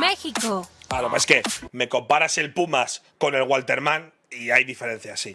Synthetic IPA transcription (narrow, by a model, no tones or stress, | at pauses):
mexikoalopeske̞me̞ko̞mpaɾase̞lpumasko̞ne̞lɣwalt̪e̞ɾmãn | iajðife̞ɾe̞n̟θjasi